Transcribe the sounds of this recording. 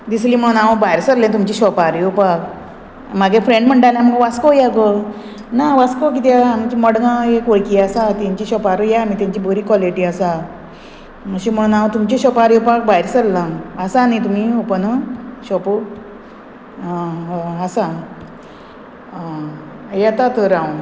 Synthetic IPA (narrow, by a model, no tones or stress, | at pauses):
d̪isliːm̤əɽunaʋabajɾsəɾlẽt̪umt͡ɕiɕɔpaɾjupak | maɡẽfɾẽɳɖm̤əɳʈaljãm̤əɡʋaskojakə | naʋaskok̬it̪aamit͡ɕiməɽnaekʋəɭkiːasat̪jaɲt͡ɕiɕɔpaɾujaamit̪jãɲt͡ɕibʱoɾiːkʋaliʈiəsa | məɕim̤əɽ̃unaʋt̪umt͡ɕeɕɔpaɾjopak̚bajɾsəɾlãːsanit̪um̤iːopənəɕɔpo | sa | jat̪at̪əɾaũn